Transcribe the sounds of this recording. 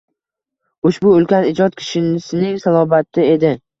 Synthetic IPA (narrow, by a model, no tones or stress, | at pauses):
ʊʃbʊːlˠkʲanɪd͡ʒɒt̪̚kʲʰɪ̥ʃɪnsɪnɪŋsalˠɒbat̪ʰːɪe̞d̪ɪ